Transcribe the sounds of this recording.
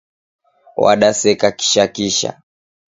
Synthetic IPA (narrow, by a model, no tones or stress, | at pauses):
wa̰ɗasɛkaki̥ʃakiʃa̰